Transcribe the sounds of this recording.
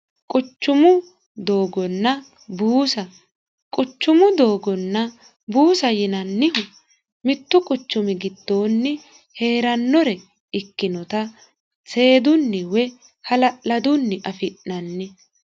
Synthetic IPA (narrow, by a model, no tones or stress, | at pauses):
kʼʊt͡ʃːʊmʊ | d̪o̞ːɡɔnːɐ | buːsɐ | kʼʊt͡ʃːʊmʊd̪o̞ːɡɔnːɐ | buːsɐjɪnɐnːɪ | mɪt̪ːʊkʼʊt͡ʃːʊmɪɡɪd̪ːo̞ːnːɪ | he̞ːɾɐnːɔɾɛ | ɪkːɪnɔt̪ɐ | se̞ːd̪ʊnːɪwɛ | hɐlɐʔlɐd̪ʊnːɪʔɐfɪʔːɐnːɪ